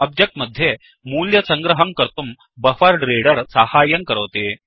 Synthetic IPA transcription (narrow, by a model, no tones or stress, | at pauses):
ɐb̚d͡ʒjɐk̚ʈmɐd̪ʱːje | muːljɐsɐŋɡɾɐɦɐŋkɐɾt̪um | bɐfɐɾɖɾeːɽɐɾsahaːjɐŋkɐɾɐʋt̪eː